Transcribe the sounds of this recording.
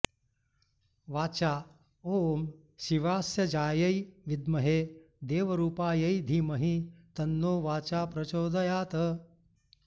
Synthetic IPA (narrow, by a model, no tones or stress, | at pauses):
ʋaːt͡ʃaː | oːm | ʃiʋaːsjɐd͡ʒaːjɐjʋid̪mɐɦeː | d̪eːʋɐɾuːpaːjɐid̪ʱiːmɐɦit̪ɐnːoːʋaːt͡ʃaːpɾɐt͡ʃoːd̪ɐjaːt̪ɐ